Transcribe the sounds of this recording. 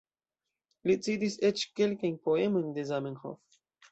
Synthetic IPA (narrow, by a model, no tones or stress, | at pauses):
lit͡sid̪iset͡ʃke̞lkajnpoemo̞jnd̪e̞zamenxo̰f